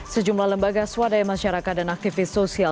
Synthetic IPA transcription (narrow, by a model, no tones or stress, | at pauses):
səd͡ʒumlahləmbaɡaswadajmaʃaɾakat̪̚danak̚t̪ifɪsːosia